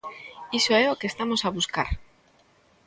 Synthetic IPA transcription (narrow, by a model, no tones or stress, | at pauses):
isoeokest̪amosaβuska̰ɾ